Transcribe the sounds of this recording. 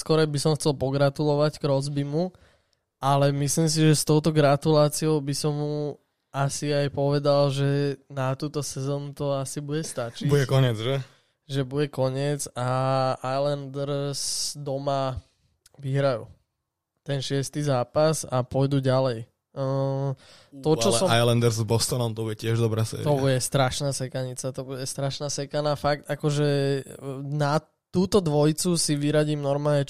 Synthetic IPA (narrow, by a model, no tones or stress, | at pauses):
skɔɾɛbisɔmxt͡sɛlpɔɡɾat̪ulɔʋacɡ̥ɾɔzbimu | ʔalɛmislims̬iʒɛst̪ɔʊt̪ɔɡɾat̪ulaːt͡sioʊbisɔmːu | asiajpɔʋɛd̪alʒɛnat̪uːt̪ɔsɛzɔːnut̪ɔasibuɟɛst̪at͡ʃibuɛkɔɲɛd͡zʒɛ | ʒɛbuɟɛkɔɲɪɛd͡zaajland̪ɾsd̪ɔma | ʋiɦɾajṵ | t̪ɛnʃɪɛst̪izaːpasapɔjd̪uɟalɛj | t̪ɔt͡ʃɔsɔajlɛnd̪ɛɾzbɔst̪ɔnɔmt̪ɔbuɟɛcɪɛʒd̪ɔbɾɛsɛ̰t̪ɔbuɟɛst̪ɾaʃnaːsɛkaɲit͡sat̪ɔbuɟɛst̪ɾaʃnaːsɛkanaːfak̚t̪akɔʒɛ | na | t̪uːt̪ɔd̪ʋɔjt͡susiʋiɾaɟiːmnɔɾmaːlɲɛ